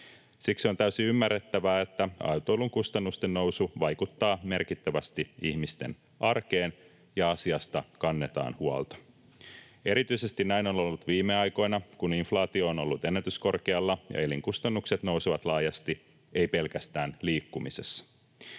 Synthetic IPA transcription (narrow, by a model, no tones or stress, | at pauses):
sikso̞nt̪æysiymːærːet̪ːæʋæːet̪ːæɑ̰wt̪oːluŋkust̪ɑnːust̪enno̞wsuʋɑjkut̪ːɑːme̞rkit̪ːæʋæst̪iiçmist̪e̞̰n | ʔɑrke̞ːn | jɑɑsiɑst̪ɑkɑnːet̪ɑ̰ːnhuɑ̰lt̪ɑ̥ | e̞ɾit̪yise̞st̪innæino̞no̞lːut̪ʋiːmːe̞ɑjko̞jnɑkuniɱflɑːt̪io̞ːno̞lːut̪enːæt̪ysko̞rkeɑlːɑjɑ̰e̞liŋkust̪ɑnːukse̞t̪no̞wseʋɑt̪lɑːjɑst̪i | e̞jpe̞lkæst̪æːnliːkːumisesːɑ̥